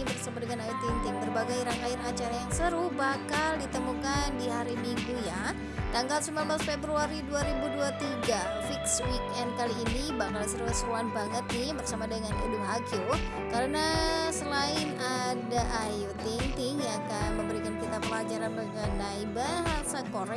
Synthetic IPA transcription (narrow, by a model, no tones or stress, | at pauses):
bərsabadəŋanajut̪int̪ɪŋbərbaɡajɾaŋkaɪrat͡ʃaɾajaŋsəɾuhbakaldit̪əmukandiɦaɾimiŋɡuja | t̪aŋɡalsimambalsəpebɾuaɾiduaɾibuduat̪iɡa | fikswikɛnd̚kaliːnibaŋkalsəɾuasəɾuanbaŋət̪̚nɪmbərsamadəŋanudʊɦakɪl | kaɾənasəlaɪnadaʔajut̪int̪ɪŋjakaməmbəɾikankit̪apəlad͡ʒaɾanbəŋənaibaɦasakoɾɛ